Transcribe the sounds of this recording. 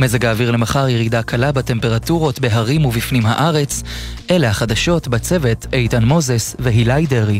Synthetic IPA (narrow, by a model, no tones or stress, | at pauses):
mezeɡaːviʁle̞maχaʁjeʁidakʰalabate̞mpe̞ʁatuʁo̞tbe̞ɦaʁimuvifnimɦaʔaʁe̞t͡s | ʔelehaχad̪aʃo̞tbat͡se̞ve̞tʰejtanmo̞zesveɦilajdeʁi